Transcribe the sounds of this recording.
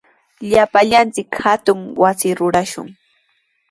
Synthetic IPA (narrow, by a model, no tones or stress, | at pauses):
ʎapaʎant͡sɪkhat̪ʊŋwasɪɾʊɾaʃʊ̰ŋ